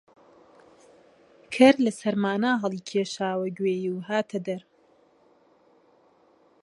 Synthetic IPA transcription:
kʰɐɾlɐsɐɾmaːnaɦɐlˠiːkʰeːʃaːwɐɡweːjuwɦaːt̪ʰɐd̪ɐɾ

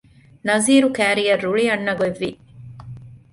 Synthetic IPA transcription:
nɐziːɾukæːɾijɐrːuɭiɐɳːɐɡoeʋːi

